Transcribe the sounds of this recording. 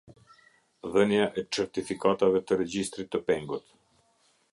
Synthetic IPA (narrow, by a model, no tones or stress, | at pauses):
ðənjaʔɛt͡ʃɛɾt̪ifikat̪avɛt̪əɾɛd͡ʑist̪ɾit̪ːəpɛŋɡut̪